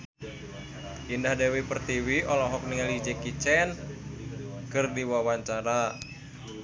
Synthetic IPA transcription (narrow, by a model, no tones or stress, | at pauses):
ʔindahdewipərt̪iwiʔɔlɔɦɔk̚niŋalid͡ʒɛkit͡ʃɛn | kɨrdiwawaɲt͡ʃaɾa